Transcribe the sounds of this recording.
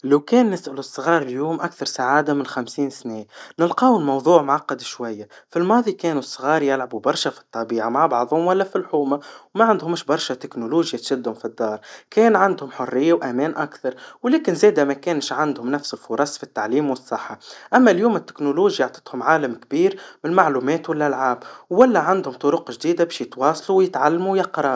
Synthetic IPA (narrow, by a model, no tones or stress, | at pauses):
læwkɛːnːɪsʔælʊsˤːɣɑːɾˤɪljuːmʔakθɑɾˤsaʕaːd̪amɪnxamsiːnsnɛːnɪlqɑːwɪlmɑwðˤuːʕmʕɑqːɑd̪iʃwajːafilmɑːðˤikɛːnusˤːɣɑːɾˤjɪlʕabubɑɾˤʃafi̥t̪ˤːɑbiːʕamaʕbɑʕðˤhʊmwælːæfilħuːmawmæʕand̪hʊmɪʃbɑɾˤʃat̪ɪknuluːʒjat̪ʃɪd̪ːhʊmfid̪ːɑːɾˤkɛːnʕand̪hʊmħʊrːɪjːawʔæmɛːnʔakθɑɾˤwlɛːkɪnzɛːd̪æmækɛːnʃʕand̪hʊmnæfsɪlfʊɾˤɑsfit̪ːaʕliːmwəsˤːɨħːaʔæmːæljuːmɪt̪ːɪ̥knuluːʒjɑʕt̪ˤɑ̥t̪hʊmʕaːlamk̚biːɾmɪnmaʕluːmɛːt̪wælːʔælʕaːbwːælːæʕand̪hʊmt̪ˤʊɾʊqʒd̪iːd̪abɛːʃjɪt̪wɑːsˤluwjɪt̪ʕalːmujɑqɾˤɑ